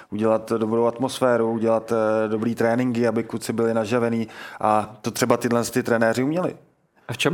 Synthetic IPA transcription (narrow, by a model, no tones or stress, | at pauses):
ʔuɟɛlat̪do̞bɾowat̪mo̞sfɛːɾuuɟɛlat̪do̞bɾiːt̪ɾɛːnɪŋɡɪabɪkut͡sɪbɪlɪnaʒavɛniːʔat̪ot̪r̥ɛbat̪ɪdlɛnst̪ɪt̪ɾɛnɛːɾɪumɲɛlɪ̰ | aft͡ʃɛm